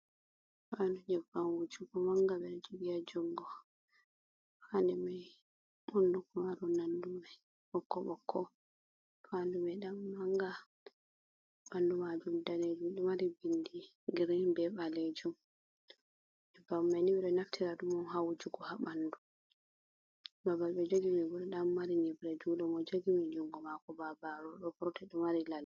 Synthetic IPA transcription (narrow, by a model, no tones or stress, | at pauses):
fandud͡ʒɛvanwud͡ʒuɡɔmaŋɡaɓɛd͡ʒubijad͡ʒɔŋɡɔ | fandɛmaj | ɓundukɔmaɾɔnanduma | ɓɔkːɔɓɔkʰːɔ | fandumɛɗamːaŋɡa | ɓandumad͡ʒumdaned͡ʒumɗumaɾibindi | ɡiɾɛbɛɓaled͡ʒum | ɛbamːanibɾɛnaftʰiɾadumɔnɦawd͡ʒuɡɔhaɓandu | babalɓɛd͡ʒoɡimɛɡuɾɛɗamːaɾiɲibɾɛd͡ʒuɗɔmɔd͡ʒoɡimɛd͡ʒuŋɡɔmakɔbabaɾɔɗɔpɾɔtɛɗɔmaɾilal